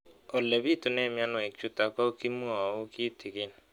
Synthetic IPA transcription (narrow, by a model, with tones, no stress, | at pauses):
ɔ˨le˨bi˦tʊ˨ne˦˨mja˦nʊ˨e˨t͡ʃu˦ta˨ka˦o˦ki˦mu˦a˨wʊ˦ki˦tʰi˨ɡe˦n˨